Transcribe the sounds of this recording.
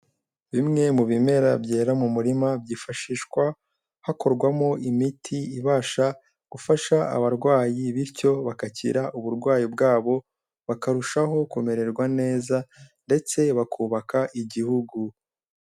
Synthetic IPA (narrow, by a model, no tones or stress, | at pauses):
βimŋe̞muβime̞ɾabɟeːɾamumuɾimabɟiːfaʃiːʃkwa | hako̞ɾɡwamo̞ʔimitʰiiβaːʃa | ɡ̥ufaʃaa̰βaɾɡwaːjiβiɾco̞βakacḭɾaʔuβuɾɡwaːjibɡaːβo̞ | βakaɾuʃaɦo̞kume̞ɾe̞ɾɡwane̞ːzande̞t͡se̞βakʰuːβakaʔiɟihuɡu